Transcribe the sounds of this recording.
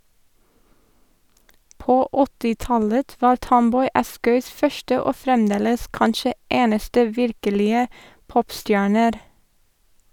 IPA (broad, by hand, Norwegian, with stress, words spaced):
ˈpoː ˈɔtɪˌtɑlət ˈʋɑːɾ ˈtɔmˌbɔʏ ˈɑskœʏs ˈfœʃʈə ˈoː ˈfɾɛmˌdeːləs ˈkɑnʃə ˈeːnəstə ˈʋɪɾkəlɪə ˈpɔpˌstjæːɳəɾ